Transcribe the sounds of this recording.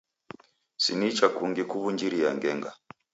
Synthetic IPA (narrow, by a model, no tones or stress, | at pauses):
sḭnit͡ʃakuŋɡikuβuɲd͡ʒiɾia̰ŋɡɛŋɡa